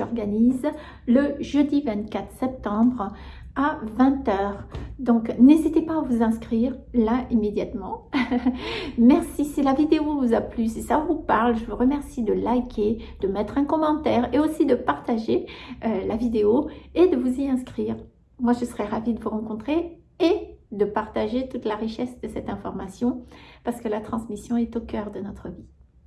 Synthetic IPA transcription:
ɔʁɡaniz | ləʒød̪ivɛ̃t̪kʲat̪χsɛp̚t̪ɑ̃bʁ | avɛ̃t̪œːʁd̪ɔ̃knezit̪epaːvuzɛ̃skχiʁlaimed̪jat̪mɑ̃ | mɛʁsisilavid̪eovuzaplysɛsaɔ̃vupaʁlʒəvuʁəmɛʁsid̪əlajkʲʰed̪̥əmɛt̪χɛ̃kɔmɑ̃t̪ɛʁeosid̪əpaʁt̪aʒeølavid̪eoed̪əvuziɛ̃skχiːʁ | mwaʒəsəʁɛʁavid̪əvuʁɑ̃kɔ̃t̪χe | ed̪əpaʁt̪aʒet̪ut̪laʁiʃɛsd̪əsɛt̪ɛ̃fɔʁmasjɔ̃paʁsə̥kəlat̪χɑ̃smisjɔ̃ɛt̪okʲœʁd̪ənɔt̪χəvi

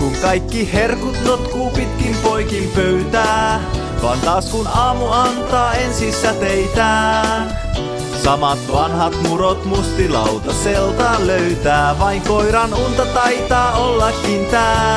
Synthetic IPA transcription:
kuŋkɑjkːiherkut̪not̪kuːpit̪kimpo̞jkimpøyt̪æː | ʋɑ̰ːnt̪ɑːskunɑːmuɑnt̪ɑːensisːæt̪eit̪æːn | sɑmɑt̪ʋɑnɦɑt̪muɾot̪must̪ilɑ̰wt̪ɑselt̪ɑːnløyt̪æːʋɑiŋkoiɾɑnunt̪ɑt̪ɑit̪ɑːolːɑkːint̪æː

